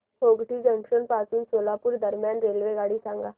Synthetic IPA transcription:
oːɡʈiːd͡ʒə̃ŋkʃənpaːsuːnsoːlaːpʊɾd̪əɾmjaːnɾeːlʋeːɡaːɽiːsãːŋɡaː

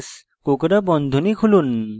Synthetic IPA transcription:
s | kokɾabɔnd̪ʱonikʰulun

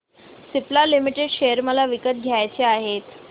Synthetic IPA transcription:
siplalimiʈeɖɕejəɾməlaʋikət̪̚ɡʱjajt͡ɕeaɦet̪

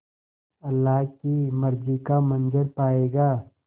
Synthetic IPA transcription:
ɐlːaːɦkimɐɾd͡ʒikamɐ̃nd͡ʒəɾpaːeːɡaː

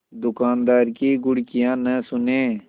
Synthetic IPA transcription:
d̪ʊkaːnd̪aːɾkiːɡʊɽkɪjãːnəsʊneː

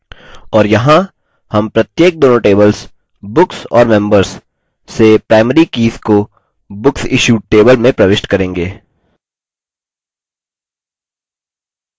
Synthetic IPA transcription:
ɔːɾjɐɦã | hɐmpɾɐt̪jeːk̚d̪oːnoʈeːbəls | bʊksɔ̰ːɾmɛ̃mbəɾz | sepɾaːɪməɾikiːsko | bʊksɪʃuːɖʈeːbəlmẽpɾɐʋɪʃʈkɐɾẽːŋɡeː

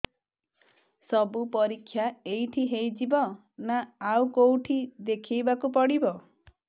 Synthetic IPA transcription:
sɔbupɔɾikʰːjaejʈʰiɦejd͡ʒibɔ | naawkowʈʰid̪ekʰijbakupɔɽibɔ

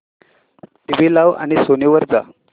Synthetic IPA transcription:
ʈiʋilaʋa̰ñisoniʋəɾd͡za

